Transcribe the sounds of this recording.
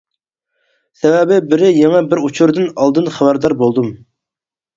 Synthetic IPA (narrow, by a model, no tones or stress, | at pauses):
sɛvɛbɪbɪɾɪjɛŋɛbɪɾut͡ʃʰuɾd̪ɨnɑlˠd̪ɨnχæbæɾd̪ɑɾbolˠd̪um